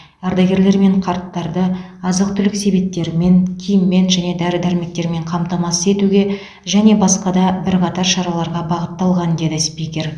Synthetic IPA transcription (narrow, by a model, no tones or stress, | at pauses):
æɾd̪ɑɡʲe̞ɾle̞ɾme̞ɴqʰɑɾt̪ːɑɾd̪əɑzəq̚t̪ʰʏlɪkse̞bet̪ːe̞ɾɪme̞ŋkʲʰijɪmːe̞nʒæne̞d̪æɾɪd̪æɾɪme̞k̚t̪e̞ɾme̞ɴqʰɑmt̪ɑmɑsəe̞t̪uɡʲe̞ | ʒæne̞bɑsqɑd̪ɑbɪɾqʰɑt̪ɑɾʃɑɾɑlˠɑɾʁɑbɑʁət̪ːɑlˠʁɑnd̪e̞d̪ɪspikʲe̞ɾ